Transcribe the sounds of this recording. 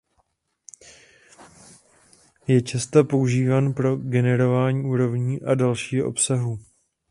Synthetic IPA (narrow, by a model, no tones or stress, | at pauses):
jɛt͡ʃɛst̪apo̞uʒiːvaːnpɾo̞ɡɛnɛɾo̞vaːɲiːʔuːɾo̞vɲiːʔadalʃiːɦoʔo̞̰psaɦu